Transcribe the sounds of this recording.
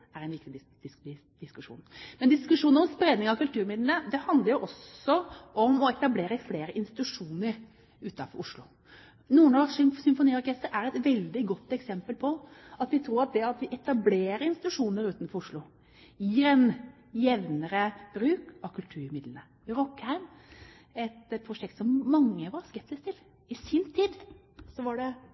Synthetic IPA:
æɾæɪnʋɪkt̪ɪ̥ | d̪̥ɪskʉʂṵːnmɛnd̪ɪskʉʂuːnəɾɔmspɾeːd̪nɪŋɑkʉlt̪ʰʉːɾmɪd̪lənəd̪ɛhɑnd̪ləɾjʊʔɔsɔʔɔmɔɛt̪ɑbleːɾəfleːɾəʔɪnst̪ɪt̪ʉʂuːnəɾ | ʉːt̪ɑfɔɾʊʂlʊ̰ | nuːənɔʂʏsʏmfʊniːɔɾkʰɛst̪əɾæɾɛt̪ʋɛld̪ɪɡɔt̪ːɛksɛmpəlpʰɔɑt̪ʋɪt̪ʰɾuːɾɑt̪̚d̪ɛɑt̪ʋɪʔɛt̪ɑbleːɾəɪnst̪ɪt̪ʉʂuːnəɾʉːt̪n̩fɔɾʊʂlʊ | jiːɾɛn | jɛʋnəɾəb̥ɾʉːkɑkʰʉlt̪ʰʉːɾmɪd̪lənə | ɾɔkːhæɪm | ɛt̪pʰɾʊʂɛk̚t̪sɔmːɑŋːəʋɑɾskɛp̚sɪskt̪ʰɪl | ɪsɪnt̪ʰiːd̪ | sɔʋɑɖɛ

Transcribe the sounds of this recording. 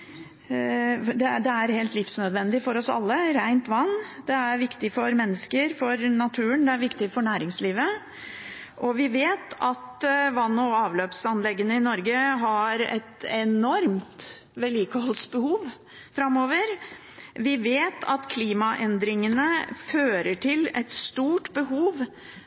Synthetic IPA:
d̪ɛd̪ɛæɾheːlt̪lɪfsnœd̪ʋɛnd̪ɪfɔɾɔsɑ̰lːəɾæɪnt̪ʋɑnːd̪ɛæɾʋɪkt̪ɪfɔɾmɛnːəskəɾfɔɾnɑt̪ʰʉːənd̪ɛæɾʋɪkt̪ɪfɔɳæːɾɪŋsliːʋə | ʔɔʋɪʋeːt̪ʰɑt̪ʋɑnːɔɑːʋløːpsɑnlɛɡːənəɪnɔɾɡəɦɑɾɛ̰t̪ɛnɔɾmt̪ | ʋɛliːkəhɔlsbəhuːʋ | fɾɑmoːʋəɾ | ʋɪʋeːt̪ʰɑt̪kʰliːmɑʔɛnd̪ɾɪŋənəføːɾəʈʰɪlɛt̪st̪uːʈbəɦuːʋ

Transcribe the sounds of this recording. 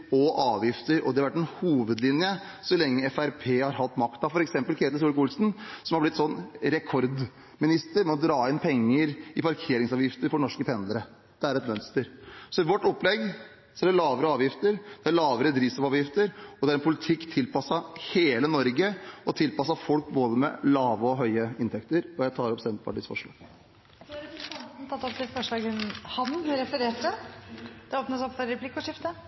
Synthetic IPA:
ɔʔɑːʋjɪft̪əɾɔ̰d̪ɛhɑɾʋæʈːɛnhuːʋəd̪lɪnjə | sɔlɛŋːəɛfæɾpʰeːhɑɾhɑt̪ːmɑkt̪̚d̪ɑfɔɾɛksɛmpəlkʰeːt̪əs̬uːlkʊlsn̩sɔmhɑblɪt̪ːsɔnːɾɛkʰɔɾd̪ | mɪnɪst̪əɾmɛɔd̪ɾɑːɪnpʰɛŋːəɾɪpɑɾkʰeːɾɪŋsɑːʋjɪft̪əɾfɔnɔʂkət̪ʰɛnd̪əɾə | d̪̥ɛæɾɛt̪mœnst̪əɾsɔɪʋɔʈːɔpːlɛɡ | sɔæɖɛlɑːʋəɾəɑːʋjɪft̪əɾd̪ɛæɾɭɑːʋəɾəd̪ɾiːʋsɔʋɑːʋjɪft̪əɾɔd̪ɛæɾɛnpʰʊlɪt̪ʰɪkːt̪ʰɪlpɑsɑheːlənɔɾɡəɔt̪ʰɪlpɑsɑfɔlkboːd̪əmɛ̰lɑːʋəɔɦœʏəɪnt̪ʰɛkt̪əɾɔjæɪt̪ʰɑːɾɔpsɛnt̪pʰɑ̰ʈiːsfɔ̰ʂɭɑ̰ːɡ̥ | nt̪ʰɑt̪ːɔpt̪ɪlfɔʂɭɑːɡənhɑnɾɛfəɾeːʈə | d̪̥ɛoːpnəsɔpːɔɾɛpʰlɪkːɔʂɪft̪ə

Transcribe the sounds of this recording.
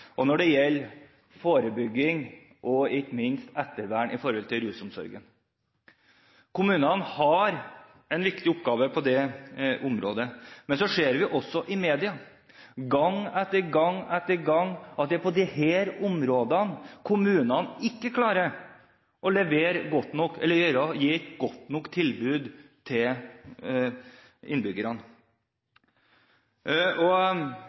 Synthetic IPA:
ʔɔnɔɖɛjɛlː | foːɾəbʏɡːɪŋ | ʔɔɪkmɪnst̪ɛt̪ːəɾʋæːɳʔɪfɔɾhɔlt̪ʰɪlɾʉːsʊmsɔ̰ɾɡə̰n | kʰʊmʉːnɑnhɑɾ | ɛnʋɪkt̪ɪʊpːɡɑːʋəpʰɔd̪ɛʔʊmɾo̰ːd̪əmɛnsɔʂeːɾʋɪʔɔsːɔʔɪmeːd̪ɪɑ | ɡɑŋːɛt̪ːəɾɡɑŋːɛt̪ːəɾɡɑŋːɑt̪̚d̪ɛpʰɔd̪ɪheːɾʊmɾoːd̪ɑnkʰʊmʉːnɑnɪkːəkʰlɑːɾəɾ | ʔɔlɛʋeːɾɡɔt̪ːnɔkːɛ̰lːəɾjœɾɑjiːɡ̥ɔt̪ːnɔkːt̪ʰɪlbʉːd̪t̪ʰɪl | ɪ̰nbʏɡəɾɑn | ɔ

